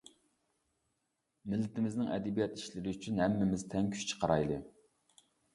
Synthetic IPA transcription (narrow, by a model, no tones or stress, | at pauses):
mɪlːɪt̪ɪmɪznɪŋɛ̰d̪ɪbijɛt̪iʃlɪɾɪyt͡ʃʰynhæmːɪmɪzt̪ʰɛŋkʲʰy̥ʃt͡ʃʰə̥qʰɑɾɑ̰jlˠɨ